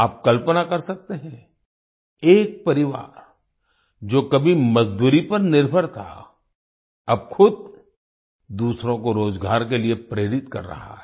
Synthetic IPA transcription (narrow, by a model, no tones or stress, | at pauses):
aːp̚kɐlpənakɐɾsɐk̚t̪eɦɛ̃ | eːk̚pɐɾɪʋa̰ːɾ | d͡ʒoːkɐbʱimɐzd̪uːɾipɐɾnɪɾbʱəɾt̪ʰa̰ | ɐb̚xʊd̪̚ | d̪uːsɾõkoɾoːd͡ʒɡʱaːɾkeliepɾeːɾɪt̪kɐ̰ɾːɐ̰ɦa̰ɦɛː